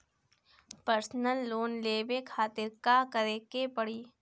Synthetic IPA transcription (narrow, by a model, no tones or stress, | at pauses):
pəɾsnəlːoːnleːbekʰaːt̪ɪɾkakəɾekepəɽiː